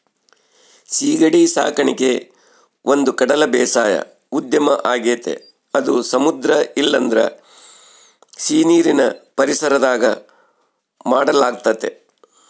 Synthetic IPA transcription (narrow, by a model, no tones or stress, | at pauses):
siːɡɐɽisa̰ːkɐɳike | ʔo̞nd̪ukɐɽɐlɐbɛːsaːjɐ̰ | ud̪jɐmɐʔaːɡeːt̪ḛ | ɐd̪usɐmud̪ɾɐilːɐnd̪ɾɐ̰ | siːniːɾinɐ̰pɐɾisɐɾɐd̪aːɡɐ | maːɽɐlaːɡ̚t̪ɐt̪e